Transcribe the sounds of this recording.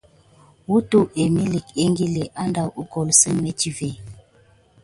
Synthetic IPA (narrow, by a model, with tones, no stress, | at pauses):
wu˦tu˦ʔe˨mi˦li˨ke˦ŋɡi˦le˨ʔa˦nda˦˨u˦kɔ˨lsə˦ŋme˨ti˦ve˨